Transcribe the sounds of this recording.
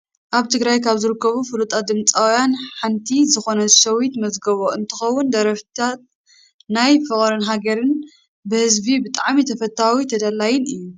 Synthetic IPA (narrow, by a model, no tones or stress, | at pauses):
ʔaβt̪ʰɨɡɾajkʰaβzɨɾɨkːɐβufɨlut̪ʼad̪ɨmt͡sʼawjanħant̪ʰizɨxo̞nɐʃɐwit̪mɐzɡɐβoʔɨnt̪ʰɨxɐwːʊnd̪ɐɾɐft̪ʰat̪̚ | najfɨχʼɾɐnɦaɡɐɾɨn | bɨhɨzbibɨt̪ʼaʕmit̪ʰɐfɐt̪ʰːawit̪ʰɐd̪alːajɪnɨjːu